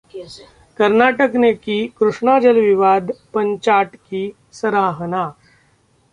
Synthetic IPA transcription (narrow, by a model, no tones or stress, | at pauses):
kəɾnaːʈəknekikɾʊʂɳaːd͡ʒəlʋɪʋaːd̪pə̃ɲt͡ʃaːʈki | səɾaːɦənaː